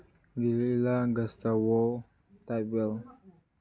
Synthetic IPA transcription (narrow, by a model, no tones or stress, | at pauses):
ɡiliilaɡastawɔ | tabɛl